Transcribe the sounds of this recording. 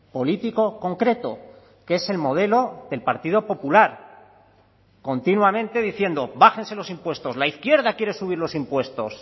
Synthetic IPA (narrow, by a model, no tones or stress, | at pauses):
po̞lit̪iko̞ko̞ŋkɾe̞t̪o̞̰ | ke̞se̞lmo̞ð̞e̞lo̞ðe̞lpaɾt̪ið̞o̞po̞pulaɾ | ko̞nt̪inwamẽ̞nt̪e̞ðiθje̞nd̪o̞baxe̞nse̞lo̞simpwe̞st̪o̞slaiθkje̞ɾðakje̞ɾe̞suβ̞iɾlo̞simpwe̞st̪o̞s